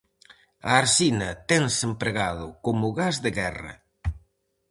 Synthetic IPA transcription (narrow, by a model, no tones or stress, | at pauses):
ɐ̰ːɾsinɐt̪ɛŋsempɾeɣaðʊkomʊɣazðeɣɛrɐ̰